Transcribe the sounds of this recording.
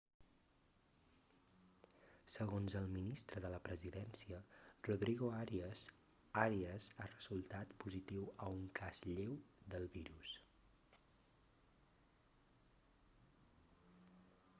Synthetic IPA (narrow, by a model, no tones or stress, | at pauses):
səɣonzəlˠminist̪ɾəðələpɾəziðɛnsiəruðɾiɣoaɾ | aɾiəzarəzulˠt̪at̪puzit̪iwəuŋkazʎewd̪əlˠβiɾus